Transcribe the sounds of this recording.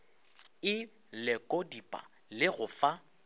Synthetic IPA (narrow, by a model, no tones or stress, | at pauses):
ɪ | lɛkʼodipʼa̰ | lɪɣʊfa